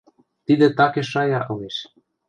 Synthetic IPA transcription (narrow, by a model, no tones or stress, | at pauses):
t̪id̪ĕt̪ɑkeʃɑjɑʔɤ̆leʃ